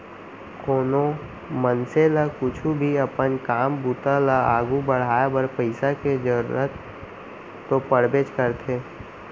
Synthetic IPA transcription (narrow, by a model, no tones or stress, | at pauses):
koːno | mənselakʊt͡ʃʰubʱiɐpənkaːmbut̪alaaːɡubəɽ̤aːbəɾpəɪsaked͡ʒəɾ̰ɾət̪ː | opəɽbeːd͡ʒkəɾt̪ʰeː